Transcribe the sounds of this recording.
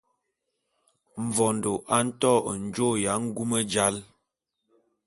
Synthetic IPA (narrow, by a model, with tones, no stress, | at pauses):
ɱ̩˨vɔ˨ndo˨ʔa˨˦n̩˦tɔ˦˨n̩˨d͡ʒo˦˨ja˨˦ŋ̩˦ɡu˦mə˦d͡ʒa˦l